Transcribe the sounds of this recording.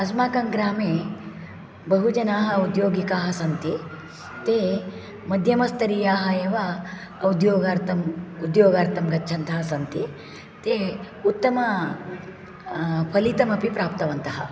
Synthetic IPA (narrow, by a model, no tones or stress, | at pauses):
ɐsmaːkɐŋɡɾaːmeː | bɐɦud͡ʒɐnaːɦɐud̪joːɡikaːɦɐsɐnt̪i | t̪eː | mɐd̪ʱjɐmɐst̪ɐɾijaːɦɐjeːʋa | ɐud̪joːɡaːɾt̪ʰɐmud̪joːɡaːɾt̪ʰɐmɡɐtːt͡ʃʰɐnt̪ʰɐːɦɐsɐnt̪i | t̪e | ut̪ːɐmɐ | pʰɐlit̪ɐmɐpipɾaːp̚t̪ɐʋɐnt̪ɐɦɐ̰